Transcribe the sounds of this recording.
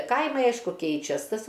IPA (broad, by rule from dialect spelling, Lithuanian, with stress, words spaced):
ˈkɐɪmɐɪ ˈɐɪʃkʊ ˈkʲɛɪt͡ʃʲɛs ˈtɐs